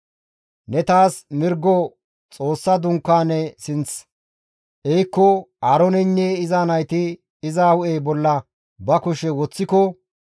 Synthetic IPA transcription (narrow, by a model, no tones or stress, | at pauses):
nɛt̪aːsmɪɾɡːɔ | t͡sʼo̞ːsːɐd̪ʊŋkːaːnɛsɪnt͡s | ʔɛjkːɔaːɾɔnɛɲːeːɪzaːnɐjt̪ɪ | ɪzaːwʊʔeːbɔlːɐ | bɐkʊʃɛwɔt͡sːɪkɔ